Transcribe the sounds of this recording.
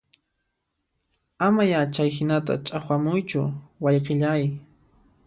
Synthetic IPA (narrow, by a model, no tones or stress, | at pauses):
amajat͡ʃajhɪnat̪a̰t͡ʃʼaχwamʊjt͡ʃʊ̰wɑjqeʎaj